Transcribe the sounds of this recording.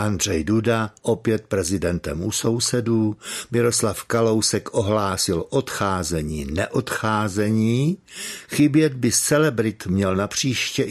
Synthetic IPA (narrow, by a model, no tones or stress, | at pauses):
ʔand̪r̝ɛjdudaʔo̞pjɛt̪̚pɾɛzɪdɛnt̪ɛmuso̞wsɛdumɪɾo̞slafkalo̞wsɛkʔoɦlaːsɪlʔo̞t̪xaːzɛɲiːnɛʔot̪xaːzɛɲiːxɪbjɛd̪̚bɪst͡sɛlɛbɾɪt̪mɲɛlnapr̝̥iːʃcɛ